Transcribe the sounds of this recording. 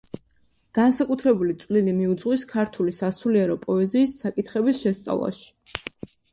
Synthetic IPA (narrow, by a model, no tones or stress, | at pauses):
ɡ̥ansakʼut̪ʰɾɛbulit̪sʼwlilimiud̪zʁwiskʰaɾt̪ʰulisasuliɛɾɔpʼɔɛziːsːakʼit̪ʰχɛbisʃɛst̪sʼa̰vlˠa̰ʃi̥